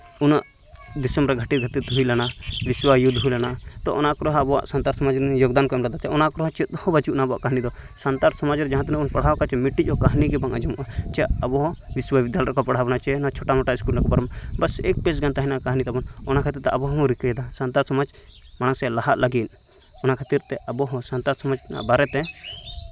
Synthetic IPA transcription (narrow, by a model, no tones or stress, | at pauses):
unaʔ | d̪isəmɾɛɡʱəʈit̪ɡʱət̪it̪ɦuilanabiswajud̪ʱɦujlanat̪ɔ̰ʔɔnakɔɾɔɦãbɔwa̰ʔsant̪aɾsɔmad͡ʒjoɡd̪ankɔjmɾɛd̪at̪ɛɔnakɔɾɔɦɔ̃t͡ʃɛt̪̚d̪ɔhɔbat͡ʃiʔnabɔa̰ʔkaɦnid̪ɔ | sant̪aɾsɔmad͡ʒɾd͡ʒãɦãt̪nɛunpɐɽ̤akat͡ʃɛmiʈːit͡ʃɔkaɦniɡɛbaŋʔa̰d͡ʒɔmuʔat͡ʃɛɐbɔɦɔ̃biswabid̪jalɾkɔpaɽ̤abnat͡ʃɛnat͡ʃʰɔʈamɔʈaiskulnakɔbaɾɔmbasḛk̚pes̬ɡant̪aɦinakaɦnit̪abɔnɔnakʰat̪iɾt̪ɛabɔɦɔɦɔ̃ɾikəjɛd̪asant̪aɾt̪sɔmad͡ʒ | mañasɛalaɦaʔlaɡin | ɔnakʰat̪iɾt̪ɛʔɐbɔɦɔ̃sant̪aɾsɔmad͡ʒna̰ʔbaɾɛt̪ɛ